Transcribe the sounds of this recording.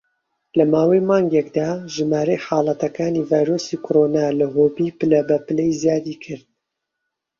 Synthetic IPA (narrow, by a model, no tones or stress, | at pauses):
lɐmaːwɐjmaːŋɡekd̪aːʒɨmaːɾɐjħɑːlˠɐt̪ɐkaːniːvaːjɾoːsiːkʰoɾoːnaːlɐɦoːbipɨlɐbɐpɨlɛjzjaːd̪iːkʰɨɾd̪̚